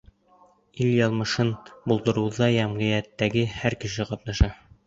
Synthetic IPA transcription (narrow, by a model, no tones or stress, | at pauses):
iljɑlˠmɤ̆ʃɤnbulˠd̪ɤ̆ɾɤ̆wðɑjæmʁɤ̆jæt̪ːæɡɘhæɾkɘ̆ʃɘqɑt̪nɑʃɑ